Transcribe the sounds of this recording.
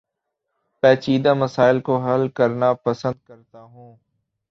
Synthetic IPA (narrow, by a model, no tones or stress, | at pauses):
pɛːt͡ʃiːd̪aːməsaːɪlkoɦəlkəɾnapəsə̃nd̪̚kəɾt̪aːɦũː